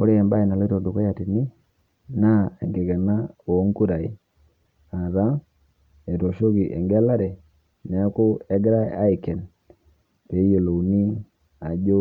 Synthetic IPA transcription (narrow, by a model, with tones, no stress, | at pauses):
o˦ɾi˦ɛ˨mba˦i˨na˨lto˨du˨kɔ˦ja˨ti˨ni˦ | na˦e˨ŋɡe˨ɡa˨na˦o˨˦ŋku˦ɾa˨i˦ | a˨ɾa˦ | e˨to˨ʃo˦ɡi˨ʔḛ˨ŋɡɛ˦la˦ɾɛ˨ | nɛ˨˦ku˦ɛ˦ɡɾa˦a˦i˨kɛ˨n | pe˨˦je˨lo˨ni˦ŋ | a˨d͡ʒo˦